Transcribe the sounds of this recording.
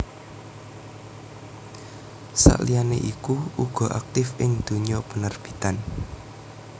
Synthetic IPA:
sa̰ʔlijaneʔikuuɡ̥ɔ̤ʔak̚t̪ɪfʔɪŋd̪̥o̤ɲɔb̥ənərb̥i̤t̪an

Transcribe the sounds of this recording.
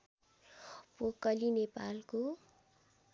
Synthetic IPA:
pokʌlinepalko

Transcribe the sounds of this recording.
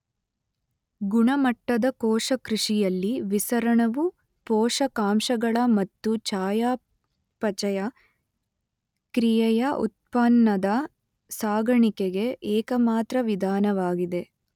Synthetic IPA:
ɡuɳɐmɐʈːɐd̪ɐkɔːʂɐkɾuʂijɐlːiʋisɐɾɐɳɐʋu | pɔːʂɐkaːmʃɐɡɐɭɐmɐt̪ːut͡ʃaːjaː | pɐt͡ʃɐjɐ | kɾijɛjɐʔṵt̪̚panːɐd̪ɐ | saːɡʱɐɳikeɡe̞ʔɛːkɐmaːt̪ɾɐʋid̪ʱaːnɐʋaːɡid̪e̞

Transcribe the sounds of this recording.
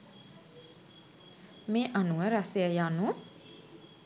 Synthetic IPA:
meʔanuɛɾasejanu

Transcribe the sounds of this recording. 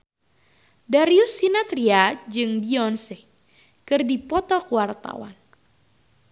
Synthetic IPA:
daɾiusːinat̪ɾiad͡ʒɨŋbiɔnsɛ | kɨrdipɔt̪ɔkuwart̪a̰wa̰n

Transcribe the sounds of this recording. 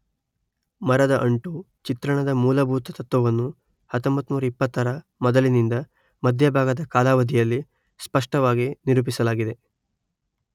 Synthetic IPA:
mɐɾɐd̪ɐʔɐɳʈu | t͡ʃit̪ɾɐɳɐd̪ɐmuːlɐbʱuːt̪ɐt̪ɐt̪ʋɐʋɐnːu | hɐt̪ːombɐt̪ːmuːɾuipːɐt̪ːɐɾɐ | mɔd̪ɐlinind̪ɐ | mɐd̪ʱjɐbʱaːɡɐd̪ɐkaːlaːʋɐd̪ʱijɐlːi | spɐʂʈɐʋaːɡiniɾuːp̬isɐlaːɡid̪e̞

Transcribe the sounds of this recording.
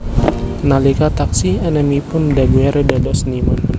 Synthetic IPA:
nalikat̪aksiɛnɛmipʊndaɡuɛɾdadɔsniman

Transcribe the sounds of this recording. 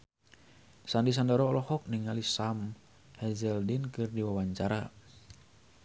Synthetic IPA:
sandis̬andaɾɔːlɔhɔk̚niŋalisam | hɛzɛldinkɨrdiwawaɲt͡ʃaɾa

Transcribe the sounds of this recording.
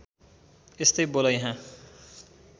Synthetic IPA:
est̪ʌjbolʌjɦã

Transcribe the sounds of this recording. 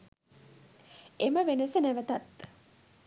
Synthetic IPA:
eməʋenəsənæʋət̪at̪

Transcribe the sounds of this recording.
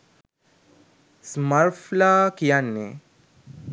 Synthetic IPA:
smaɾflakijanːḛ

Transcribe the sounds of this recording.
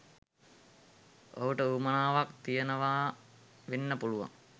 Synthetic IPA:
oɦuʈəuːmənaːʋakt̪ijənəʋaː | ʋenːəpuluʋa̰ŋ

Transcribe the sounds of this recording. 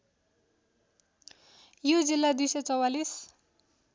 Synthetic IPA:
jod͡zilːad̪ujsʌt͡sʌwalis

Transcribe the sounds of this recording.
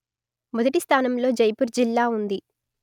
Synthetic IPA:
mud̪ɐʈist̪ʰaːnɐmlo̞ːd͡ʒɐjpuɾd͡ʒilːaːund̪i

